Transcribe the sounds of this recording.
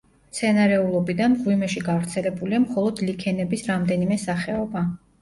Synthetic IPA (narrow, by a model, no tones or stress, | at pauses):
t̪sʰɛnaɾɛulˠɔbid̪anmʁwimɛʃiɡavɾt̪sʰɛlɛbuliamχɔlˠɔd̪likʰɛnɛbisɾamd̪ɛnimɛsaχɛɔba